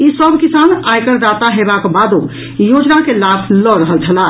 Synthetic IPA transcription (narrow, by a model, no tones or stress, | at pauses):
isəbkisanajkəɾɾat̪aɦebakbad̪o | jod͡ʒnakelabʰlɔɾəɦəlt͡ʃʰəla